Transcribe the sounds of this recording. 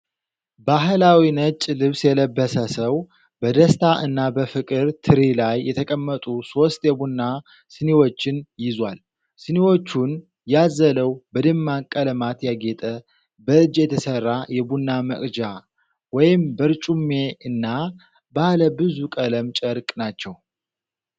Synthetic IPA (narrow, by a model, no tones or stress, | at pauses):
baɦlawinət͡ʃʼːlɨβsjɛləbːəsəsəw | bəd̪əst̪ʰaʔɨnːabəfɨkʼɨɾt̪ʰɨɾilajːɛt̪ʰəkʼəmːət̪ʼuso̞st̪jɛbunːa | sɨnewo̞t͡ʃːɪnjɪzwal | sɨnewo̞t͡ʃːun | jazːələwbəd̪ɨmːakʼːələmat̪jaɡet̪ʼə | bəɨd͡ʒjɛt̪ʰəsərːajɛbunːamə̰kʼd͡ʒa | wɔjɪmbəɾt͡ʃʼumːeɨnːa | bahləbɨzukʼələmt͡ʃʼəɾkʼnat͡ʃːɛw